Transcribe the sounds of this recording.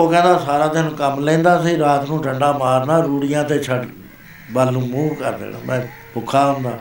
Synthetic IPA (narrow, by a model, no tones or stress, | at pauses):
oːkɛ̃ːnd̪aːsaːɾaːd̪ɪanũːkəmlɛ̃ːnd̪aːsiːɾaːt̪nũːʈəɳɖaːmaːɾnaːɾuːɽɪjãːt̪eːt͡ʃʰəɖ | balnũːmuːʋkə̰ɾd̪ḛːna̰ːmʔɛ̃ː | pʊkʰːaːɦʊ̃nd̪a̰ː